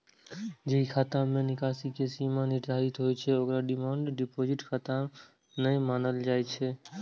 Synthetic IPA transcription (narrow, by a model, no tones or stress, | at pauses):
d͡ʒəɦikʰaːt̪ãmẽnɪkaːsikeːsimãːnɪd͡ʒaːɦit̪ɦoːit͡ʃʰeokɾaɖɪmãːɳɖɖɪpoːd͡ʒɪʈkʰaːt̪ã | nəĩmaːnəld͡ʒaːet͡ʃʰeː